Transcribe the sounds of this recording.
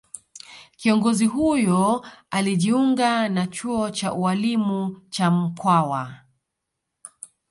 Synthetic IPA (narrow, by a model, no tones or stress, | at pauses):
kiɔŋɡɔziɦujɔaliʄiuŋɡanat͡ʃuɔt͡ʃaʔualimut͡ʃam̩kʰwawa